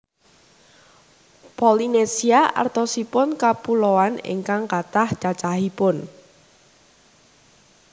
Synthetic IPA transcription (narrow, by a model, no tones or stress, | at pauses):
pɔlinesiaʔa̰rt̪ɔsipʊnkapuloanḭŋkaŋkat̪ahd̥at͡ʃaɦipʊn